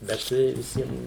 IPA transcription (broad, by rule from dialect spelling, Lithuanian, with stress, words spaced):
bʲɛt ˈtɐɪ ʋʲɪˈsʲiɛm